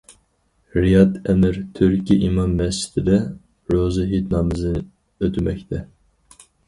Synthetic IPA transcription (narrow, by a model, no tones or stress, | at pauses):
ɾijɑt̪ʰɛmɨɾt̪ʰyɾkʲʰiʔimɑmːɛst͡ʃi̥d̪̥ɪd̪ɛ | ɾoːzɨɦit̪nɑːmɨzɨ | øt̪ʰymɛk̚ʲt̪ʰɛ